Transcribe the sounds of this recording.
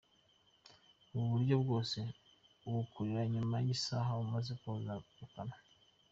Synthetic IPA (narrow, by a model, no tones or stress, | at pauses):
uβuɾɟo̞bɡo̞ːse̞ | uwukʰuɾiɾaɲumajisaɦaumazekozaukana